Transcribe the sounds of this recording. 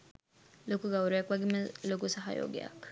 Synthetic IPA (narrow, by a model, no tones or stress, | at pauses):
lokuɡawɾijakwaɡimlokusaɦa̰jo̰ɡḛa̰k